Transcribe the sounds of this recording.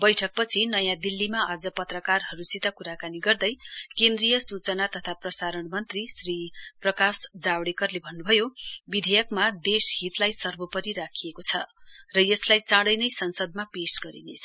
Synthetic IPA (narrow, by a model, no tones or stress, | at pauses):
bʌjʈʰʌk̚pʌt͡sʰinʌjãd̪ilːimaad͡zʌpʌt̪rʌkarɦʌɾusit̪akuɾakaniɡʌrd̪ʌjkend̪rijʌsut͡sʌnat̪ʌt̪ʰaprʌsaɾʌɳmʌnt̪risriprʌkasd͡zawɽekʌrlebʱʌnːubʱʌjobid̪ʱejʌkmad̪esɦit̪lajsʌrbʌpʌɾiɾakʰijekot͡sʰʌrʌjʌslajt͡sãɽʌjnʌjsʌnsʌd̪̚mapesɡʌɾḭnet͡sʰʌ